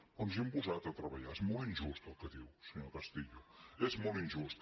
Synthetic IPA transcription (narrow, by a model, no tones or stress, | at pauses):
onzimpuzat̪ət̪ɾəβəʎaezmolˠinʲʒust̪əlˠkəðiwsəɲokəst̪iʎuezmolˠinʲʒust̪